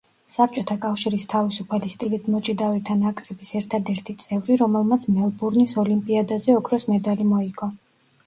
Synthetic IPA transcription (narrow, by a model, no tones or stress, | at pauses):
sap̚ʰt͡ʃʼɔt̪ʰakʼafʃiɾist̪ʰavisupʰalist̪ʼilit̪ʰmɔt͡ʃʼid̪avɛt̪ʰanakʼɾɛbisɛɾt̪ʰad̪ɛɾt̪ʰit̪sʼɛvɾiɾɔmɛlˠmat̪sʰmɛlˠbuɾnisɔlimpʼiad̪azɛɔkʰɾɔsmɛd̪alimɔiɡʼɔ